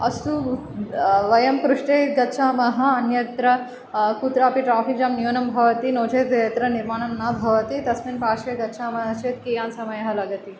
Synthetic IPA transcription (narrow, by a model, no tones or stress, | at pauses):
ɐst̪u | ʋɐjɐmkɾuʂʈeːɡɐtːʃʰaːmɐɦɐ̆ɐnjɐt̪ɾɐ | kut̪ɾaːpiʈɾaːfʰik̚d͡ʒaːmnjuːnɐmbʱɐʋɐt̪inoːd͡ʒɐːt̪ɐjɐt̪ɾɐniɾmaːɳɐmnaːbʱɐʋɐt̪it̪ɐsminpaːʃeɡɐt̪ːʃʰaːmɐɦɐt͡ʃeːt̪̚kiːjaːnsɐmɐjɐɦɐlɐɡɐt̪i